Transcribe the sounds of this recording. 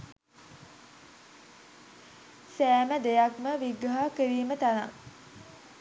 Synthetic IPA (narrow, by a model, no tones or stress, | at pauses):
sæːməd̪ejakməʋiɡɾaɦakəɾiːmət̪anaŋ